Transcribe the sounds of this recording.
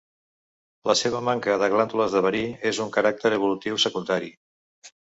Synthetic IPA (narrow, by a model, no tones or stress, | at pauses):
ləseβ̞əmaŋkəðəɣlant̪uləzðəβəɾiezuŋkəɾak̚t̪əɾəβ̞ulut̪iwsəkund̪aɾi